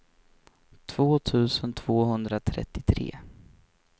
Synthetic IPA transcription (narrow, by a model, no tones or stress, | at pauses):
t̪ʰv̥oːt̪ʰʉ̟ːsənt̪ʰv̥oːɦɵnd̪ɾat̪ʰɾɛ̰t̪ːɪt̪ʰɾḛː